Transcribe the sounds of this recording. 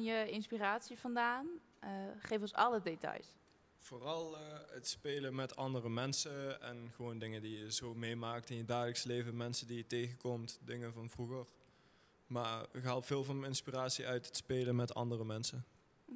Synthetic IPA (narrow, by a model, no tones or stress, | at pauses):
njəɪnspiraːtsivɑndaːn | χejfɔnsɑ̰lədetɑ̰js | v̥oːrɑlˠətspeːləmɛtʰɑndərəmɛnsəɛ̰nχəʋowndɪŋədijəzoːmejmaːk̚tɪnjədaːɣləksəlejvənmɛnsədijətejɣəkɔmtdɪŋəvɑnvruɣər | maːkɦɛlˠpfɪːlˠvɑnɪnspiraːtsiʔœɥtətspeːlənmɛtɑ̰ndərəmɛnsə